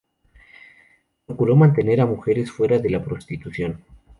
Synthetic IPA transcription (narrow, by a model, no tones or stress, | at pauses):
pɾokulo̞mãnt̪e̞ne̞ɾamuxe̞ɾe̞sfwe̞ɾaðe̞lapɾo̞st̪it̪uθjo̞n